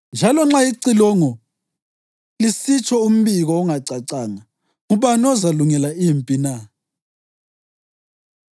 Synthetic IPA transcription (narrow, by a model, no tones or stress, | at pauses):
nd͡ʒʱalɔŋ͡ǁaiǀilɔŋɔ | lisit͡ʃʰɔum̩βiɣɔːŋaǀaǀaːŋa | ŋuβanɔzaluŋɛlaimpʼina